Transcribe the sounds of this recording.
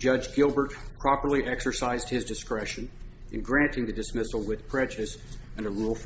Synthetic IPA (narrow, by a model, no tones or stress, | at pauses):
d͡ʒ̥ʌd͡ʒɡɪlˠbə˞tpʰɹ̥ɑpə˞lˠiʔɛksə˞saɪzd̚hɨzdɨskɹɛʃɨ̃n | ʔɨ̰̃nɡɹæ̃ntɪ̃ŋðɨdɨsmɪsl̩ˠwɪð̥pʰɹ̥ɛd͡ʒɨɾɨsɨ̃nəɹulˠf